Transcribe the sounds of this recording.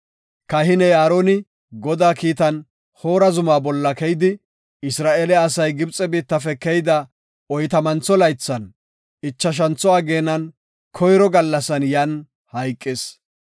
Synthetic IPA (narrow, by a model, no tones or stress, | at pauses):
kɐɦɪnɛjaːɾoːnɪ | ɡɔd̪aːkiːt̪ɐn | hoːɾɐzʊmaːbɔlːɐkɛjd̪ɪ | ɪsɾaːʔeːlɛɐsɐjɡɪbt͡sʼɛbiːt̪ːɐfɛkɛjd̪ɐ | ɔjt̪ɐmɐnt͡sːɔlɐjt͡sːɐn | ɪt͡ʃːɐʃ̬ɐnt͡sːɔaːɡe̞ːnɐn | kʰɔjɾɔɡɐlːɐsɐnjɐn | hɐjkʼːes